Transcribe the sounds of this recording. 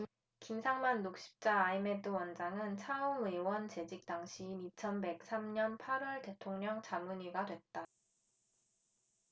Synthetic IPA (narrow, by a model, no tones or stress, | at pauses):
kimsʰaŋmanːuk̚ɕ͈i̥p̚t͡ɕ͈aːime̞dɯwʌnd͡ʑaŋɯnt͡ɕʰaɯmwewʌnt͡ɕe̞d͡ʑik̚t͈aŋɕʰiːnit͡ɕʰʌnbe̞k̚s͈ʰamɲʌnpʰaɾwʌɭte̞tʰoŋɲʌŋt͡ɕamuɲiɡadwe̞t̚t͈a